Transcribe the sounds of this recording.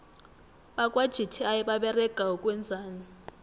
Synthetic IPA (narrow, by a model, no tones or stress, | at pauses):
ɓakʼwad̥ʒ̥ʱitʰiajɛɓaɓɛrɛɡ̥ʱaukʼwɛnd͡zʱaːni